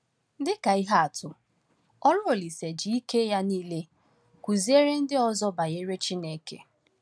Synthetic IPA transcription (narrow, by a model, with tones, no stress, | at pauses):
dɪ˦ka˨i˦ɦa˦a˨tʰʊ˨ | ɔ˦lʊ˦o˨li˨se˨d͡ʒi˨i˦ke˦ja˦niː˦le˦ | kʷu˨zi˦e˦ɾe˦n̩˦dɪ˦ɔ˦zɔ˦ba˨je˦ɾe˦t͡ʃi˦ne˨kḛ˨